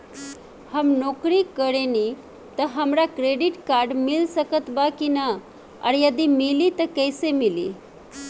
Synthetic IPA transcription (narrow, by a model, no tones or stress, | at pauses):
hamnɔkɾiːkəɽeni | t̪əɦəmɾakɾeɖiʈkaɾɖmilsəkət̪bakina | ə̰ɾjəd̪imiliːt̪əkəjsemilḭ